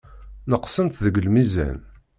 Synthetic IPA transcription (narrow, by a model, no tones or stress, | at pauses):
nəqsənt̪ðəɡəlmizæ̰n